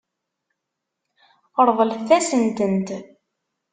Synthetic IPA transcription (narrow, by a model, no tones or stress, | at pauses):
əɾˤðˤəlθæsənt̪ənt̪